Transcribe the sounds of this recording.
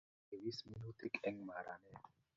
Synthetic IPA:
e˨wi˦smi˦nu˦t̪i˦kɛ˦ŋma˨ɾa̰˨nɛ˦

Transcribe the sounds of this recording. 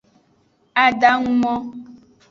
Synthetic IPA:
a˨ɖa˦ŋũ˦mɔ̃˦

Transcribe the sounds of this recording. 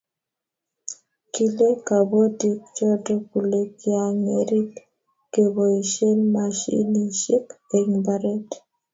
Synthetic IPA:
ki˨le˦ka˨bɔ˦di˨k̚t͡ʃɔ˦dɔ˦ku˨le˦ki˦a˨ŋe˨ɾi˦t | ke˨βo˨i˨ʃe˦nma˨ʃḭ˦ni˨ʃi˦ke˨ŋba˨ɾɛ˦t

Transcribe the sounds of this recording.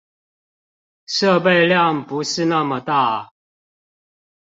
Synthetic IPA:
ʂɤ˥˧pe˥˧ɪljɑ˥˨ŋpu˨˧˦ʂɻ̩˥˧na˥˩˨mə˨t̪a˥˨

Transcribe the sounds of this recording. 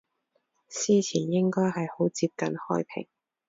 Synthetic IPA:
siː˥t͡sʰiː˨˩njɪ˥ŋkɔː˥jɦɐ˨jho˨˥wt͡siː˧p̚kɐ˨nhɔː˥jpʰɪ̰˨˩ŋ

